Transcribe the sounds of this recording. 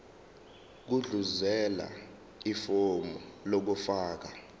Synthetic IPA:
k̬uɮuzɛla̰ | ifomɔlok̬ufaːk̬a

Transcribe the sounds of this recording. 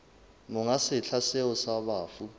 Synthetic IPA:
mɔŋasɪɬʰasɛɔsaɓaːfu

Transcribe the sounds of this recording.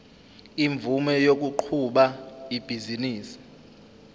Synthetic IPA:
iɱb̪vumɛjok̬uǃʰuɓaib̥ʱiziniːsi̥

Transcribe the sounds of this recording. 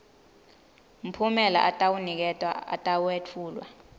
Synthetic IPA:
m̩pʰumɛla̰ʔatʼawunik̬ɛtʼwa̰a̰tʼawuwet͡fʰuːlwa̰

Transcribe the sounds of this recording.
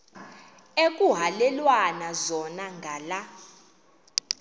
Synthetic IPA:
ekʼuɦalɛlwanazɔnaŋɡʱala

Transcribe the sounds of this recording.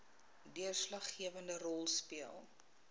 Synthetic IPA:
diərslɐχːiəvəndərɔlˠspiəlˠ

